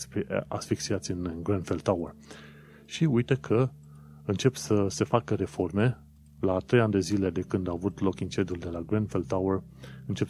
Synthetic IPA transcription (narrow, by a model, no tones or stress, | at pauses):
spa̰sfiksiat̪sʲɨnɡɾanfelawər | ʃiujt̪ekʰə | ɨnt͡ʃe̞psəse̞fakəɾefo̞rme̞ | lat̪ɾe̞janʲd̪e̞zile̞d̪e̞kɨnd̪aːvut̪lo̞kint͡ʃend̪uld̪e̞laɡɾanfeld̪̚t̪awərɨnt͡ʃe̞p